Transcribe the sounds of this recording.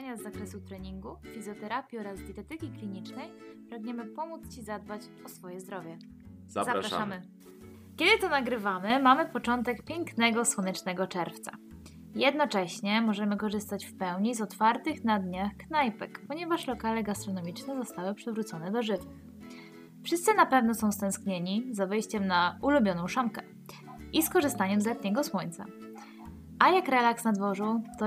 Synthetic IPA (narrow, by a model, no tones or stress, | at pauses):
aɲazːakɾɛsut̪ɾɛɲiŋɡufʲizjɔt̪ɛɾapʲjiɔɾazd̪ʲjɛt̪ɛt̪ɘkʲiklʲiɲit͡ʂnɛj | pɾaɡɲɛmɘpɔmut̪st͡ɕizad̪̚bat͡ɕ | ɔsfɔjɛzd̪ɾɔvʲjɛ | azaɾaʂamɘ | kʲɛd̪ɘt̪ɔnaɡɾɘvamɘmamɘpɔt͡ʂɔnt̪ɛkpʲjɛŋknɛɡɔswɔnɛt͡ʂnɛɡɔt͡ʂɛɾft̪sa̰ | jɛd̪nɔt͡ʂɛɕɲɛmɔʐɛmɘkɔʐɘst̪at͡ɕfpɛwɲizɔt̪faɾt̪ɘxnad̪ɲaxknajpɛkpɔɲɛvaʂlɔkalɛɡast̪ɾɔnɔmʲit͡ʂnɛzɔst̪awɘpʂɘvɾut̪sɔnɛd̪ɔʐɘvn | fʂɘst̪sɘnapɛvnɔsɔ̃w̃st̪ɛ̃w̃skɲeɲizavɛjɕt͡ɕɛmnaulubʲjɔnɔ̃w̃ʂamkɛ | ʔiskɔʐɘst̪aɲɛmzlɛt̪ɲɛɡɔswɔɲʲt̪sa̰ | ʔajakɾɛlaksnad̪vɔʐut̪ɔ